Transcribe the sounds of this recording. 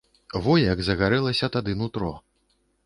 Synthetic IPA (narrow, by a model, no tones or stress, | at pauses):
vɔjɐɡzɐɣaɾɛlˠɐsʲɐt̪ad̪ɨnut̪ɾɔ